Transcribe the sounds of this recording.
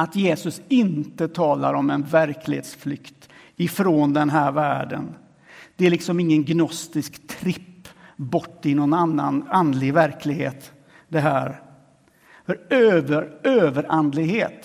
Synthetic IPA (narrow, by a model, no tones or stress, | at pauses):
at̪jeːsɵsɪnt̪ət̪ʰɑːlaɾɔmɛnvæɾkʰlɪ̰hḛːt̪sflʏkt̪ | ɪfɾoːnd̪ɛnɦæːɾvæːɖə̰n | d̪̥ɛælɪksɔmɪŋːənɡnɔst̪ɪskt̪ʰɾɪpːbɔʈːɪnɔnanːa̰nand̪lɪɡvæɾkʰlɪɡɦḛːt̪ | d̪ɛɦæːɾ | fœɾøːvəɾøːvəɾʔand̪lɪɡheːt̪